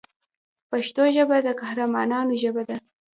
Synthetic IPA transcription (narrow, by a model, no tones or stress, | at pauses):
paʃt̪oʒəbad̪əkahɾamɑnɑnoʒəbad̪a